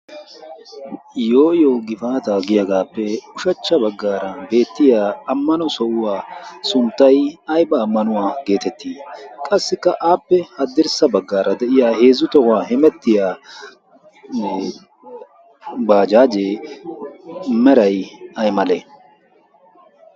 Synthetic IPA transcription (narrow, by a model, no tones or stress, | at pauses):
joːʔɪjoːɡɪfaːt̪ɐɡɪjɐɡaːpːɛʊʃɐt͡ʃːɐbɐɡːaːɾɐbe̞ːt̪ːɪjaːɐmːɐnɔsɔʔʊwaːsʊnt̪ːɐjɐjbɐːmːɐnʊwaːɡe̞ːt̪ɛt̪ʰːiːkʼɐsːɪkːɐʔaːpːɛhɐd̪ːɪɾsɐbɐɡːaːɾɐd̪ɛʔɪjaːheːzːʊt̪ɔwaːhɛmɛt̪ːɪjaː | baːd͡ʒaːd͡ʒeː | mɛɾɐjɐjmɐleː